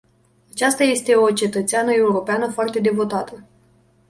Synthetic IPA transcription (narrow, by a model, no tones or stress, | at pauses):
at͡ʃast̪aje̞st̪e̞o̞t͡ʃe̞t̪ət̪seanəe̞uɾo̞peanəfoart̪e̞d̪e̞vo̞t̪at̪ə